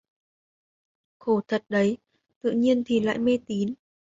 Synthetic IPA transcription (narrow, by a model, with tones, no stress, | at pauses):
xo˧˩t̪ʰə˨˩t̚ɗə˨˦j | t̪ɨ̰˧˨ɲi˧ənt̪ʰi˨˩la̰ː˧˨jme˧t̪i˨˦n